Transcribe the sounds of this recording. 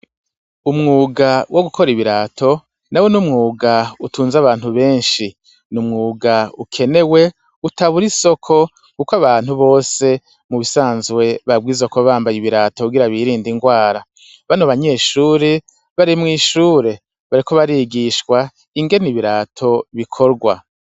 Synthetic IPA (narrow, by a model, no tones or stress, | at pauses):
umŋuːɡawʔo̞ɡukʰo̞ɾiβiɾaːtʰo̞ | nawe̞numŋuːɡautuːnzaβaːn̥huβe̞ːnʃi | numŋuːɡaukʰe̞ne̞we̞ | utaβuɾiso̞kʰo̞ | kukwaβaːn̥huβo̞ːse̞ | muβisaːnzɡwe̞βabɡwizokoβaːmbajiβiɾaːtokuɡiɾaβiɾiːndiŋɡwaːɾa | βanoβaɲe̞ːʃuːɾe | βaɾimŋiːʃuːɾe̞ | βaɾiko̞βaɾiɡiʃkwa | iŋɡe̞niβiɾaːtʰo̞βikʰo̞ɾɡwa̰